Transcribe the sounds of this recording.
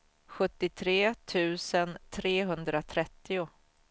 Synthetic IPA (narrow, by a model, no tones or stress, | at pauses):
ɧɵt̪ːɪt̪ʰɾeːt̪ʰʉ̟ːsənt̪ʰɾeːɦɵnd̪ɾat̪ʰɾɛt̪ːɪʊ